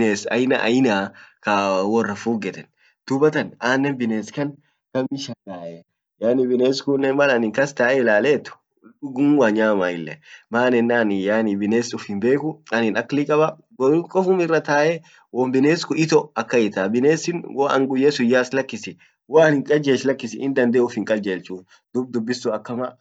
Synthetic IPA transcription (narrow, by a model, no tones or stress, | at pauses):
bneːsɐ̰jna̰ʔɐjɪnaːkawɔrːɐfuːɡɛt̪ɛn | d̪̥ʊbɐt̪ɐnaːnːɛnbɪneːskɐn | ɡ̥ɐmɪʃɐŋɡaːʔɛ | jaːnɪbɪneːskʊnːɛnmɐlɐnɪŋkɐst̪aːʔɛlaːleːt̪ːʊ̥ | ɗʊɡʊmwaːɲaːmaːɪlːɛmaːnɪnːaːnɪjaːnɪbɪneːsʊfhɪmbe̞ːkʊɐnɪnɐkːlikʼɐbɐ | ɡɔkʼɔfʊmɪrːɐt̪aːʔɛ | wɔmbɪneːskʊɪt̪ɔɐkːɐɪt̪abɪneːsɪnwɔɐ̰ŋɡʊjːɛsʊjaːslɐkːɪsɪ | waːnɪŋkʼɐd͡ʒeːʃlɐkːɪsɪɪnd̪ɐnd̪eːʊfhɪŋkʼɐd͡ʒeːlt͡ʃuːn | d̪ʊb̚d̪ʊbːɪsːuɐkːɐmɐ